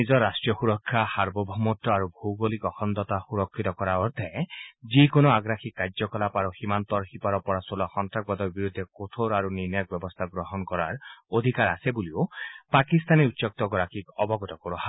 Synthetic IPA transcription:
nid͡ʒɔɾːasʈɾijɔxuɾɔkʰːahaɾbɔbʱɔmɔʈːɔaɾubʱowɡolikɔxɔnd̪ɔt̪axuɾɔkʰːit̪ɔkɔɾaɔɾt̪ʰaed͡ʒikonɔaɡɾakʰikːaɾd͡ʒɔkɔlapaɾɔhimant̪ɔɾxipɔɾɔpɔɾasɔlɔxɔnt̪ɾak̚bɔd̪ɔɾbiɾud̪ʱːekot̪ʰoɾaɾuniɾnɔjɔk̚bjɔbɔst̪ʰaɡɾɔɦɔnkɔɾaɾod̪ʱikaɾasebuliopakist̪ʰaniutːsɔk̚t̪ɔɡɔɾakikɔbɔɡɔt̪ɔkɔɾɔɦa

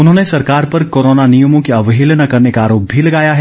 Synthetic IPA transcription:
ʊnɦõːnesɐɾkaːɾpɐɾkoːɾoːnanijomõkeɐʋɦɪlnɐkɐɾnekaaːɾoːp̚ilɐɡaːjaɦɛː

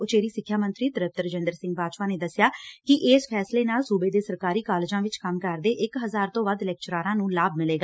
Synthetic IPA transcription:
ʊt͡ʃeːɾiːsɪkʰːjaːmə̃nt̪ɾiːt̪əɾəp̚t̪əɾd͡ʒə̃nd̪əɾsɪ̃ŋɡpaːd͡ʒpaːneːd̪əsɪjaːkɪʔeːspʰɛːsleːnaːlsuːbeːd̪eːsəɾkaːɾiːkaːled͡ʒãːʋɪt͡ʃkəmkəɾd̪eːʔɪkɦəzaːɾt̪õːʋəd̪lɛːk̚t͡ʃɾaːɾãːnũːlaːbmɪleːɡaː

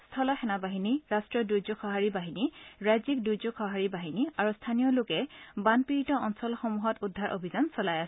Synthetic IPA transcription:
stʰɔlɔxɛnabaɦiniɹastɹɔdujzʊkʰɔɦaɹibaɦiniɹazik̚dujzukʰɔɦaɹibaɦiniaɹustʰanijɔlʊkɛbanpiɹitɔʔɔnsɔlxɔmuɦɔtudʱːaɹʔo̰bʱizansɔlajasɛ

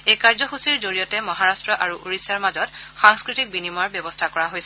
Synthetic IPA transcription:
ejkaɹzɔxusiɹzoɹijɔtɛmɔɦaɹastɹɔʔaɹuʔuɹisaɹmazɔtxaŋskɹitik̚binimaɹbjɔbɔstʰakɔɹaɦojsɛ

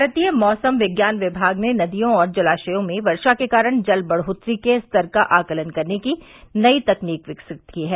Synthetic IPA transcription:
bʱɾət̪ijəmɔːsəmʋɪɡjaːnʋɪbʱaːɡnenɐd̪ijõɔːɾd͡ʒɐlaːʃəjõmẽʋɐɾʃakekaːɾəɽ̃d͡ʒɐlbɐɽɦʊt̪ɾikest̪ɐɾkaʔaːkələnkɐɾneki | nɐit̪ɐkniːkʋɪksɪk̚t̪kiɦɛː

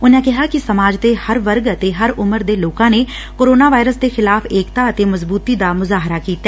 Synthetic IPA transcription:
ʊnãːkɪɦaːkɪsəmaːd͡ʒt̪eːhəɾʋəɾɡət̪eːɦəɾʊməɾd̪eːloːkãːneː | koːɾoːnaːʋaːɪɾəsd̪eːxɪlaːfeːkt̪aːət̪eːməzbuːt̪iːd̪aːmʊzaːɦɾaːkiːt̪ːaɛː

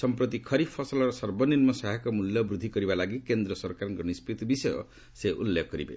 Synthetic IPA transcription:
sɔmpɾɔt̪ikʰɔɾipʰːɔsɔlɔɾɔsɔɾbɔninmɔsaɦakɔmuljɔbɾud̪ʱikɔɾibalaɡikend̪ɾɔsɔɾkaɾɔŋkɔnispɾit̪ɔbisɔjɔ̰ | seʔṵlːekɔkɔɾibḛ

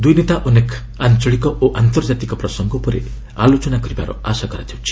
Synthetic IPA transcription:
d̪ujnet̪aʔɔnek | ant͡ʃɔɭikɔʔoʔant̪ɔɾd͡ʒat̪ikɔpɾɔsɔŋɡɔpɔɾḛ | alot͡ʃɔnakɔɾiba̰ɾɔ̰asakɔɾat̪ʰiwt͡ʃʰi̥

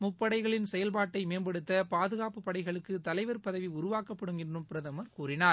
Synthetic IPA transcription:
mʊpːɐɽɐɪɣɐɭɪnsɛjɐlbaːʈːɐɪmeːnbɐɽɯt̪ːɐpaːðɯɣaːpɯpːɐɽɐɪɣɐɭɯkːɯt̪ɐlɐɪʋɐɾpɐðɐʋiʊɾʊʋaːkɐpːɐɽɯŋɡɪndrɯmpɪɾɐðɐmɐɾkuːɾɪnaː

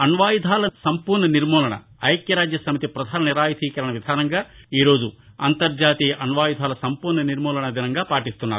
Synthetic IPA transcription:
ɐnʋaːjid̪ʱaːlɐsɐmpuːɾɳɐniɾmɔːlɐɳɐ̰ | ɐjkjɐɾaːd͡ʒjɐsɐmit̪ipɾɐd̪ʱaːnɐniɾaːjt̪ʰiːkɐɾɐɳɐʋid̪ʱaːnɐŋɡaːiːɾo̞ːd͡ʒuɐ̰nt̪ɐɾd͡ʒaːt̪ijɐʔɐnʋaːjid̪ʱaːlɐsɐmpuːɾɳɐniɾmɔːlɐɳɐd̪inɐŋɡaːpaːʈist̪unːaːɾu

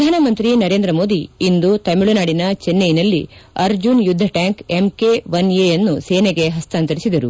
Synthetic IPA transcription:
pd̪ʱaːnɐmɐnt̪ɾinɐɾe̞ːnd̪ɾɐmo̞ːd̪iind̪ut̪ɐmiɭunaːɽinɐt͡ʃenːejinɐlːiɐɾd͡ʒunjud̪ʱːɐʈaːŋkemkeʋɐnejɐnːuseːneɡe̞ɦɐst̪aːnt̪ɐɾisid̪ɐɾu

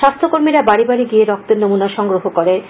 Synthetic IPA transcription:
ʃast̪ʰokoɾmiɾabaɽibaɽiɡieɾɔk̚t̪eɾnomunaʃɔŋɡɾoɦokoɾe

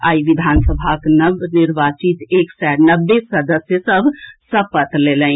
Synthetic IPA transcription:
a̰iʋid̪ʱansəbʱaknəbniɾbat͡ʃit̪eksaɾnəbːesəd̪əsjəsəbʱsəpət̪lelə

